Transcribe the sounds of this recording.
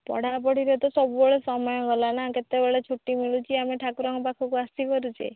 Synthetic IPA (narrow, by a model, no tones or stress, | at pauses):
pɔ̰ɽ̤apɔɽiɾet̪ɔsɔbubɔɭesɔmɔjɔɡɔlanaket̪ebeɭet͡ʃʰuʈːimiɭut͡ʃʰiameʈʰakuɾɔŋɔpakʰɔkuast̪ikɔɾut͡ʃʰḛ